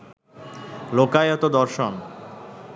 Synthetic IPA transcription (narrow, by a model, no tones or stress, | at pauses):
lokajɔt̪od̪ɔɾʃon